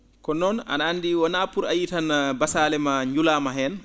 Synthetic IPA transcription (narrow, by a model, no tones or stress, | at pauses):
kɔnɔna̰naːnːdiwɔnapuɾajitanabasalɛmaɲd͡ʒulamaɦɛn